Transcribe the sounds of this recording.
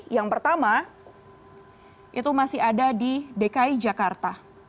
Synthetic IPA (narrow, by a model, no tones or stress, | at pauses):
jaŋpərt̪ama | ʔḭt̪umasɪɦadadidekaid͡ʒakart̪a